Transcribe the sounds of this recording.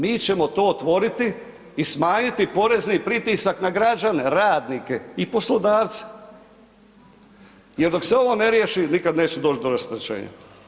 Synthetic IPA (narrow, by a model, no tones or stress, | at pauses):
miːt͡ɕe̞mo̞t̪o̞ːt̪ʋo̞ɾit̪iː | smaːɲit̪ipo̞ɾe̞znipɾit̪isaknaɡɾad͡ʒane̞ɾaːd̪nike̞ipo̞slˠod̪aːʋt̪se̥ | jeɾd̪o̞kseo̞ʋo̞ːne̞ɾjeʃinikad̪neːt͡ʃɛd̪o̞ːt͡ʃ̪d̪oɾast̪ɾet͡ʃḛːɲa̰